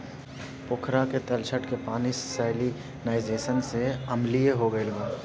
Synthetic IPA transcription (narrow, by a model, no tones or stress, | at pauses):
pʊkʰɾaket̪ɐlt͡ʃʰəʈkepaːnissaːɪli | naːɪzeːʃənseɐmlijeɦoɡəelbaː